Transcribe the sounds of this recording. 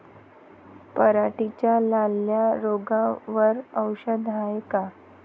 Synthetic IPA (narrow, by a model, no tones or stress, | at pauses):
pəɾaʈit͡ɕjalalːjaɾoɡaʋəɾəwɕəd̪ʱajeka